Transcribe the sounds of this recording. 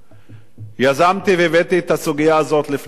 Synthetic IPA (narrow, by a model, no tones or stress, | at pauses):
jazamt̪ivevet̪iet̪asuɡijaːzo̞t̪lif